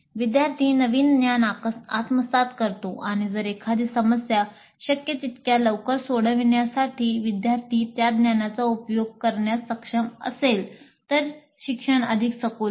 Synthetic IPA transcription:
ʋid̪jaɾt̪ʰiːnəʋiːnd̪janakat̪məsat̪kəɾt̪oʔaɽ̃id͡zəɾekʰad̪isəməsja | ɕəkjət͡ɕit̪kjaləʋkəɾsoɽəʋiɳjasaʈiːʋid̪jaɾt̪ʰiːt̪jad̪njanat͡saupjoɡ̚kəɾɳjasəkʂəmə̰sel | t̪əɾ | ɕikʂəɳəd̪ʱiksəkol

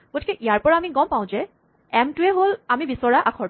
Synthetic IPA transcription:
ɡ̥otʰikɛʔijaɹpɔɹaamiɡɔmpaʊ̃zɛ | ɛmtʊɛɦolamibisɔɹaʔakʰɔɹ

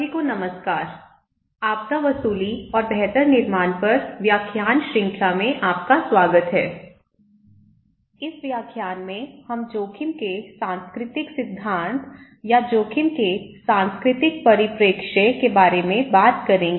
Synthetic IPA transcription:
ikonɐməskaːɾ | aːp̚kaʋɐsuːliɔːɾbɛɦt̪əɾnɪɾmaːnpɐɾʋjaːkʰjaːnʃɾɪ̃ŋkʰamẽʔaːp̚kaswaːɡət̪ɦɛ̰ː | ɪsʋjaːkʰjaːnmẽhɐmd͡ʒoːkʰɪmkesãːnskɾɪt̪ɪksɪd̪ʱːãːnt̪ | jad͡ʒoːkʰɪmkesãːnskɾɪt̪ɪk̚pɐɾɪpɾeːkʃekebaːɾemẽbaːt̪kɐɾẽːŋɡeː

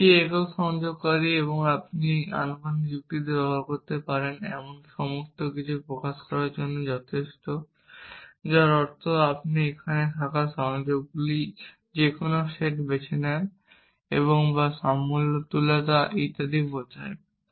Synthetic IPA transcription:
kiekoʃɔŋd͡ʑoɡkɔɾieβoŋap̚nia̰numanid͡ʑukt̪id̪ebɛakoɾt̪epaɾenɛ̰monʃɔmoɾt̪okit͡ɕʰupɾokaʃkɔɾaɾd͡ʑonːod͡ʑɔt̪ʰeʃʈo | d͡ʑaɾɔɾt̪ʰoapniekʰanet̪ʰakaʃɔŋd͡ʑoɡ̚ɡuli | d͡ʑekonoʃeʈbet͡ɕʰenɛn | ḛβoŋbaʃamult̪ulat̪aʔit̪ad̪ibot̪ʰa̰e

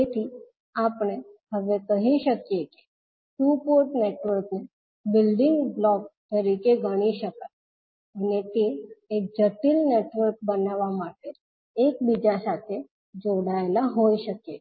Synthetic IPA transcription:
t̪et̪ʰi | apɽ̃ehəʋekəɦiʃəkjeke̥ | ʈupoɾʈneʈʋəɾkne | bɪlɖɪŋɡɡlɔk̚t̪əɾikeɡʱəɽ̃iʃəkət̪̚ | ənet̪eːk̚d͡ʒəʈilneʈʋəɾk̚bənaʋamaʈe | ek̚bid͡ʒasat̪ʰe | d͡ʒoɽaelaɦoiʃəkje

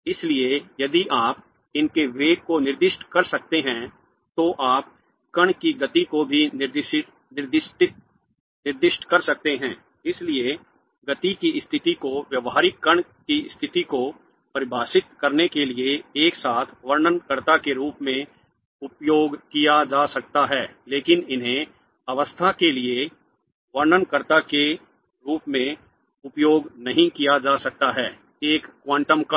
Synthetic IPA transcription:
ɪsliejɐd̪iʔaːp | ɪnkeʋeːɡ̚konɪɾd̪ɪʃʈkɐɾsɐk̚t̪eɦɛ̃ | t̪oʔaːp | kɐɽ̃kiɡɐt̪ikobʱinɪɾd̪ʃɪ | nɪɾd̪ɪʃʈɪt̪̚ | nɪɾd̪ɪʃʈkɐɾsɐk̚t̪eɦɛ̃ː | ɪslie | ɡɐt̪ikiɪst̪ʰɪt̪ikoʋjɐʋɦaːɾɪkːɐɳ̃kist̪ʰɪt̪iko | pɐɾɪbʱaːsɪt̪kɐɾnekelieeːksaːt̪ʰʋɐɾnənkəɾt̪akeɾuːpmẽ | ʊpjoːɡkijad͡ʒaːsɐk̚t̪aɦɛːleːkɪnɪnɦẽ | ɐʋəst̪ʰakelie | ʋɐɾnənkəɾt̪ake | ɾuːpmẽ | ʊpjoːɡnɐɦĩkijad͡ʒaːsɐk̚t̪aɦɛː | eːkːwãːɳʈəmk

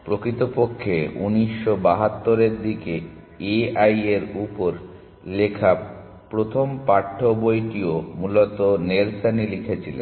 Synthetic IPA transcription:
pɾokɾit̪opokʰːeṵniʃːobaɦat̪ːoɾeɾd̪ike | eajeɾupoɾ | lekʰa | pɾot̪ʰompaʈʰːobojʈiomulot̪oneɾsanilikʰet͡ɕʰilḛn

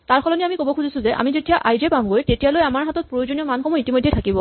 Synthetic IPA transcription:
taɹkʰɔlɔniamikobɔkʰuzisʊ̃zɛʔa̰mizetijaʔajzɛpamɡojtetijalojamaɹɦatɔt̚pɹojozonijɔmankʰɔmuitimojdʱːejtʰakibɔ

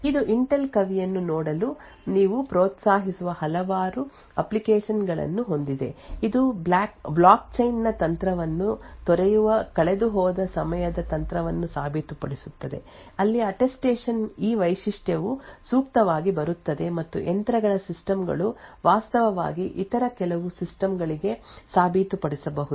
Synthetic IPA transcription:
id̪uʔiɳʈelkɐʋijɐnːunɔːɽɐlu | niːʋupɾoːt̪saːɦisuʋɐhɐlɐʋaːɾu | ɐplikeːʂɐnɡɐɭɐ̰nːuɦo̞nd̪id̪e̞̰id̪ublaːkblaːk̚t͡ʃɐjnːɐt̪ɐnt̪ɾɐʋɐnːut̪ɔɾɛjuʋɐkɐɭed̪uɦɔːd̪ɐsɐmɐjɐd̪ɐt̪ɐnt̪ɾɐʋɐnːusaːbʱit̪upɐ̰ɽisut̪ːɐd̪ḛ | ɐlːiɐʈesʈeːʂɐniːʋɐjʃiʂʈjɐʋusuːk̚t̪ɐʋaːɡibɐɾut̪ːɐd̪e̞mɐt̪ːṵʔent̪ɾɐɡɐɭɐsisʈɐmɡɐ̰ɭuʋaːst̪ɐʋɐʋa̰ːɡiʔit̪ɐɾɐkɛlɐʋusisʈɐmɡɐɭiɡe̞saːbʱit̪upɐɽisɐbɐɦu

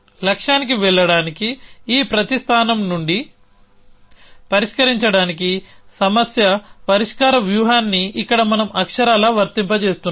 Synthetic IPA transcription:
lɐkʂaːnikiʋɛɭːɐɽaːnikiːpɾɐt̪ist̪ʰaːnɐmnuɳɖi | pɐɾiʂkɐɾiɲt͡ʃɐɽaːnikisɐmɐsjɐpɐɾiʂkaːɾɐʋjuːɦaːnːiːkːɐɽɐmɐnɐmɐkʂɐɾaːlɐʋɐɾt̪impɐt͡ʃe̞ːst̪unː

